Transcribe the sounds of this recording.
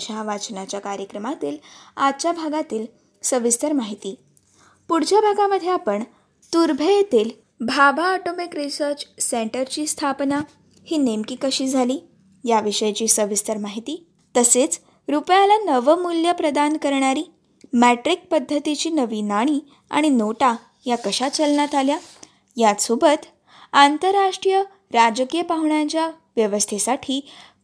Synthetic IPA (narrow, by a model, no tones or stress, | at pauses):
ɕaʋat͡ɕnat͡ɕjakaɾjəkɾəmat̪iːlad̪t͡ɕjabʱaɡat̪iːl | səʋist̪əɾmaɦit̪iː | puɽd͡ʑabʱaɡaməd̪ʱːjeapəɳ | t̪uɾbʱəjet̪iːl | bʱabʱaːʈomikɾisəɾt͡ɕseɳʈəɾt͡ɕiːst̪ʰapna | hiːnemkiːkəɕiːd͡zʱaliː | jaʋiʂəjt͡ɕiːsəʋist̪əɾmaɦit̪iː | t̪əset͡s | ɾupjalanəʋəmuljəpɾəd̪ankəɾɳ̃aɾiː | mæʈɾik̚pəd̪ʱːət̪it͡ɕiːnəʋiːnaɽ̃i | a̰ɽ̃inoʈa | jakəɕat͡ɕəlɳjat̪alja | jasubət̪ | ant̪əɾːaʂʈɾijə | ɾad͡ʑkijəpaɦɳjat͡ɕjaʋjəʋəst̪ʰesaʈʰiː